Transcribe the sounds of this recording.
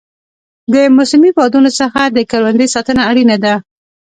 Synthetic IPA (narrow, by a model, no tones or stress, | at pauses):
d̪əmʊsɪmifɑd̪unosəxad̪əkalwand̪əjsɑt̪ənaːɽinad̪a